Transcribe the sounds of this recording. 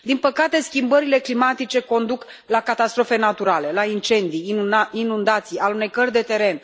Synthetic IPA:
d̪inpəkat̪e̞skʲimbəɾile̞klimat̪it͡ʃe̞ko̞nd̪uk | lakat̪ast̪ɾo̞fe̞nat̪uɾale̞laint͡ʃe̞nd̪ijinund̪at̪sijalunejkərʲd̪e̞t̪e̞ɾe̞n

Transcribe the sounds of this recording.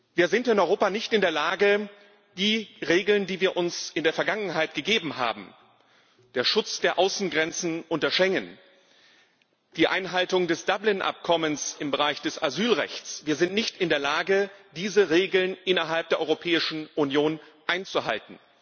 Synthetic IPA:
viːɐzɪntɪnʔɔʏʁoːpanɪçtɪndeːɐlaːɡə | d̥iːʁeːɡl̩ndiːviːɐʔʊnsɪndeːɐfɛɐɡaŋənɦaɪtɡ̥əɡeːbm̩ha̰ːbm̩ | d̥eːɐʃʊt͡sd̥eːɐʔaʊsn̩ɡʁɛnt͡sn̩ʔʊntɐʃɛŋən | d̥iːʔa̰ɪnɦaltʊŋdɛsd̥ablɪnʔa̰p̚kʰɔmənsɪmbəʁaɪçd̥ɛsazyːlʁɛ̰çtt͡sv̥iːɐzɪntnɪçtɪndeːɐlaːɡəd̥iːzəʁeːɡl̩nʔɪnɐɦalp̚d̥eːɐʔɔʏʁopʰɛːɪʃn̩ʔunjoːnʔaɪnt͡suɦa̰ltn̩

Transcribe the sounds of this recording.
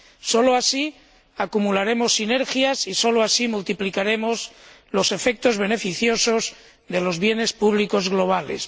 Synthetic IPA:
so̞loasi | akumulaɾe̞mosːine̞ɾxjasiso̞loasimult̪iplikaɾe̞mo̞z | lo̞se̞fe̞k̚t̪o̞zβe̞ne̞fiθjo̞so̞z | ðe̞lo̞zβje̞ne̞spuβliko̞zɣlo̞β̞ale̞̰s

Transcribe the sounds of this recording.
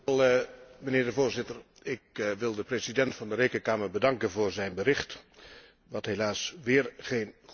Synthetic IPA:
lˠməneːɹdəvʊːɹzɪtər | ɪkʋɪlˠdəpresidɛntfɑndəɾejkənkaːməɹbədɑŋkənvʊːɹzɛjnbəɾɪχt | ʋɑtɦelaːsʋɪːɹχejn

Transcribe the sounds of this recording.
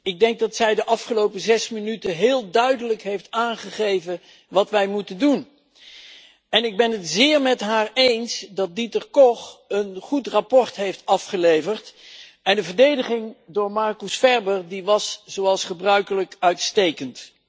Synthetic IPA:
ɪɡ̚dɛŋk̚dɑtsɛjdəʔɑfχəlowpəzɛsmɪnytəɦɪːlˠdœɥdələkɦejftaːnχəχejvə | ʋɑtʋɛjmutəndun | ɛnɪɡ̚bɛnɦətzɪːɹmɛtɦaːɹejnsdɑt̚ditərkɔχənχutrapɔɹtɦejftɑfχəlejvəɹt | ɛndəvəɹdejdəχɪŋdʊːɹmɑɹkusfɛɹbəɹdiʋɑsz̥owɑlˠsχəbrœɥkələkœɥtstejkənt

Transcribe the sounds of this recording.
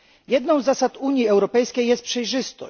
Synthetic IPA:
jɛd̪nɔ̃w̃zːasat̪uɲjiɛwɾɔpɛjskʲejːɛst̪pʂɛjʐɘst̪ɔ̰

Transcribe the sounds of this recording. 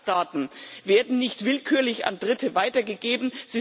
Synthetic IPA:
taːtn̩veːɐdn̩nɪçtv̥ɪlkʰyːɐlɪça̰ndʁɪtʰəvaɪtɐɡəɡeːbm̩z̥i

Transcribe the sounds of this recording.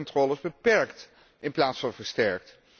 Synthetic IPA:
ntrɔːləzbəpɛɹkt | ɪnplaːtsfɑnvəɹstɛɹk̚t

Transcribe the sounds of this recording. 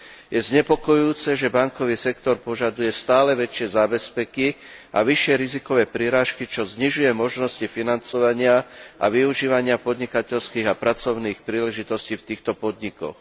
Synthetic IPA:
jʔɛzɲɛpɔkɔjuuːt͡sɛʒɛbaŋkɔʋiːsɛkt̪ɔɾpɔʒad̪ujɛst̪aːlɛʋɛt͡ʃɪɛzaːbɛspɛkiʔa̰ʋiʃɪɛɾizikɔʋɛːpɾiɾaːʃkit͡ʃɔzɲiʒujɛmɔʒnɔscifinant͡sɔʋaɲɪaa̰ʋiuʒiːʋaɲɪapɔd̪ɲikacɛʎskiːɣapɾat͡sɔʊniːxpɾiːlɛʒit̪ɔsciːft̪iːxt̪ɔpɔd̪ɲikɔ̰x

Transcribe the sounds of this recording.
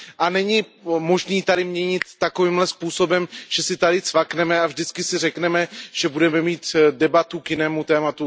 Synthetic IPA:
ʔanɛɲɪmo̞ʒniːt̪adɪmɲɛɲɪt̪ːakoviːmlɛspuːso̞bɛmʒ̥ɛsɪt̪adɪt͡svaknɛmɛavʒdɪt͡skɪsɪrɛknɛmɛʒ̥ɛbudɛmɛmiːt̪dɛbat̪ukjɪnɛːmut̪ɛːmat̪u

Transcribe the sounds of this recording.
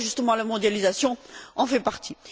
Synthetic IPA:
ʒyst̪əmɑ̃lamɔ̃d̪jalizasjɔ̃ɑ̃fɛpaʁt̪ʰi

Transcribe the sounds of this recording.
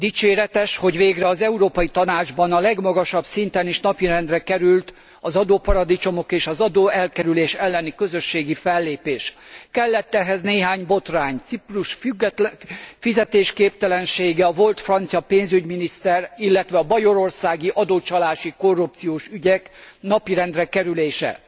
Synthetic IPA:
d̪it͡ʃeːɾɛt̪ɛʃho̞ɟʋeːɡrɛɒzɛuɾoːpɒjit̪ɒnaːd͡ʒbɒnɒlɛɡmɒɡɒʃɒbsint̪ɛniʃnɒpiɾɛnd̪rɛkɛɾylt̪ | ɒzɒd̪oːpɒɾɒd̪it͡ʃo̞mo̞keːʃɒzɒd̪oːɛlkɛɾyleːʃɛlːɛnikø̞zø̞ʃːeːɡifɛlːeːpeːʃkɛlːɛt̪ːɛɦɛzneːɦaːɲbo̞t̪raːɲt̪sipruʃfyɡ̪ | fizɛt̪eːʃkeːp̚t̪ɛlɛnʃeːɡɛɒvo̞lt̪frɒnt̪sijɒpeːnzyɟminist̪ɛrilːɛt̪ʋɛɒbɒjo̞ɾo̞rsaːɡiʔɒd̪oːt͡ʃɒlaːʃiko̞rːupt̪sijoːʃyɟɛkn̪ɒpiɾɛnd̪rɛkɛɾyleːʃɛ̰

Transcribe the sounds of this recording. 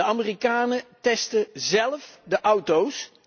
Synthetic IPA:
əamirikaːnətɛstəzɛlˠfdəʔʌwtows

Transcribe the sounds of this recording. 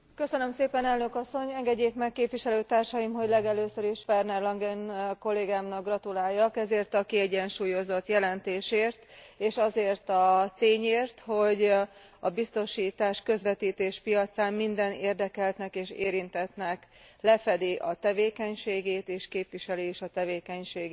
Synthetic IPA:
kø̞sønø̞mseːpɛnɛlnø̞kɒsːo̞ɲɛŋɡɛɟːeːkmɛkːeːpʋiʃɛløːt̪aːrʃɒjimɦo̞ɟlɛɡɛløːsøɾiʃfɛrnɛrlɒŋɡɛnko̞lːeːɡaːmnɒɡrɒt̪ulaːjːɒkɛzeːrt̪ɒkiɛɟɛnʃuːjo̞zo̞t̪jɛlɛnt̪eːʃeːrt̪eːʃɒzeːrt̪ɒt̪eːɲeːrt̪ho̞ɟ | ɒbist̪o̞ʃiːt̪aːʃkø̞zʋɛt̪iːt̪eːʃpijɒt̪saːmmind̪ɛneːrd̪ɛkɛlt̪nɛkeːʃeːɾint̪ɛt̪nɛklɛfɛd̪iʔɒt̪ɛveːkɛɲʃeːɡeːt̪eːʃkeːpʋiʃɛliiʃɒt̪ɛveːkɛɲʃeːɡ

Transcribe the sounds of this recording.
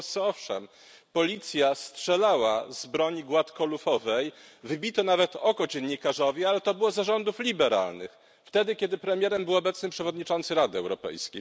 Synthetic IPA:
ɔɔfʂɛm | pɔlʲit̪sʲjastʂɛlawa̰zbɾɔɲiɡwat̪kɔlufɔvɛjvɘbʲit̪ɔnavɛt̪ɔkɔd͡ʑɛnɲikaʐɔvʲialɛt̪ɔbɘwɔzaʐɔnd̪uflʲibɛɾa̰lnɘ̰x | ft̪ɛd̪ɘkʲɛd̪ɘpɾɛmʲjɛɾɛmbɘwɔbɛt̪snɘmpʂɛvɔd̪ɲit͡ʂɔnt̪sɘɾad̪ɘɛwɾɔpɛ̰jskʲḛj

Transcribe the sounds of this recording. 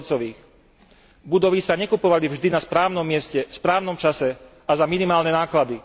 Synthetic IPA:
t͡sɔʋiːx | bud̪ɔʋisaɲɛkupɔʋalivʒd̪inaspɾaːʊnɔmːɪɛscɛspɾaːʊnɔmt͡ʃasɛ | azaminimaːlnɛnaːklad̪i

